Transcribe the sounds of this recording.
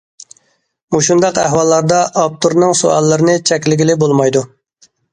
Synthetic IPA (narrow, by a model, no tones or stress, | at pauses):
muʃund̪ɑqæhwɑlˠːɑɾd̪ɑʔɑp̚t̪ʰuɾnɨŋsuɑ̰lˠːɨɾɨnɨt͡ʃʰɛkʲlɪɡʲilɪbolˠmɑjd̪u